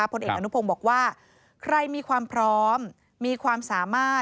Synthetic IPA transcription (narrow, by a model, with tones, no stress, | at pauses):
a˦˥pʰo˧nʔeː˨˩k̚ʔanu˦˥pʰo˧mbɔː˨˩k̚waː˥˩ | kʰɾa˧jmiː˧kʰwaː˧mpʰɾɔː˦˥mː | iː˧kʰwaː˧msaː˩˦maː˥˩